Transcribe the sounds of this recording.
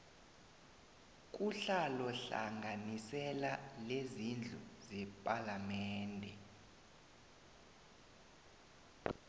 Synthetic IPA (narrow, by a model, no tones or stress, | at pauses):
k̬ʼuɬalɔɬa̰ŋɡʱanisɛlalezind͡ɮʱuzɛpʼalamɛːndʱɛ